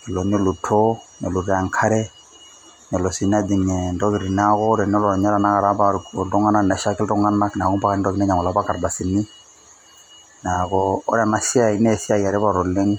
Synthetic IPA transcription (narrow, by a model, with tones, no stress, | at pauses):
i˨lo˨nɔ˦lu˨tʰɔ˦nɔ˨lu˨ɾa˨ŋkʰa˦ɾɛ˦ | nɔ˨lɔ˨si˨n˦a˦di˨ŋɛ˨ndɔ˦βi˨ɾi˨na˦kɔ˦ɾɛ˨n˦ɔ˦lɔ˨ɾɲa˦ɾa˨na˦ka˨ɾa˦pa˦˨dɔ˦ŋa˦na˦na˨ʃa˦kɛ˦ldɔ˦ŋa˦na˦kna˨kɔ˦mpa˦ka˦in˦dɔ˦ki˨nɛ˦ɲa˨mɔ˨la˦ba˦ka˨ɾba˨si˨ni˦ | na˨kɔ̰ː˦ɾɛ˨na˦ʃɪ˦a˨i˦nɛ˦˨si˦a˦˨ja˨ɾɛ˦ba˦ɾɔ˨le˦ŋ